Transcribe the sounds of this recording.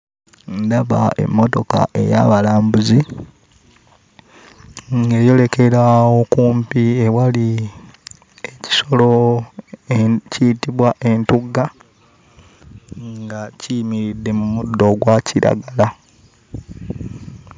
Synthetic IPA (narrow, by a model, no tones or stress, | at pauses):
ndaβa̰e̞̰mːo̞to̞ka̰ʔe̞̰ja̰βalaːmbuzi | ŋɡe̞ːjo̞le̞ke̞ɾawokuːmpiewali | eci̥so̞lo | ciːtiβwaʔe̞ntuɡa | ŋŋɡaciimiɾidːe̞mumudːo̞ɡwaciɾa̰ɡala